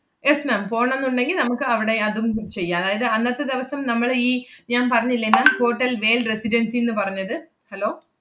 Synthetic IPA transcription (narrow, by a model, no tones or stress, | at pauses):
jesmaːmpo̞ːɳɐenːuɳɖe̞ŋɡilnɐmukːɨɐʋiɽe̞ɐðumt͡ɕe̞jːaɐðaːjɐðɨɐnːɐt̪ːɨd̪iʋɐsɐmnɐmːɐɭiːɲaːnpɐrɐɲːilːɐmaːmho̞ːʈːɐlʋe̞ːlresiɾɐnsijenːɨpɐrɐɲːɐðɨ | hɐlo̞ː